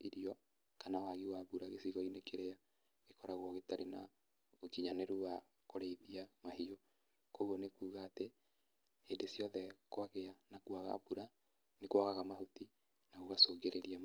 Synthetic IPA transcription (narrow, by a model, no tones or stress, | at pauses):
iɾiɔ | kanawaɣiwabuɾaɣesiɣɔinekʰeɾeja | ɣekɔɾaɣɔɣetaɾena̰ | ot͡ʃiɲaneɾuwa | koɾeiðiamahio | koɣwɔnekuːɣaːte | hendesjɔðɛkwaɣeanakuaɣa̰buɾa | nekwaɣaɣamahuti | naɣoɣasoːɡeɾeɾiam